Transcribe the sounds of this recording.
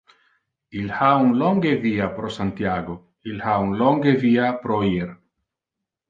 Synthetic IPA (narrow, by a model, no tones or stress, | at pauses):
ilhauŋloŋɡeviapɾosant̪jaɡo | ilhauŋloŋɡeviapɾoiɾ